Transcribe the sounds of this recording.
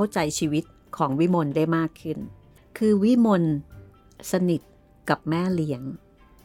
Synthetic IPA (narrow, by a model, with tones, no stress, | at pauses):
wt͡ɕa˧jt͡ɕʰiː˧wi˦˥t̪̚ | kʰɔː˩˦ŋwi˦˥mo˧ndaː˥˩jmaː˥˩kʰːɯ˥˩n | kʰɯː˧wi˦˥mo˧n | sa˧ni˨˩t̪̚ | ka˨˩p̚mɛː˥˩li˦əŋ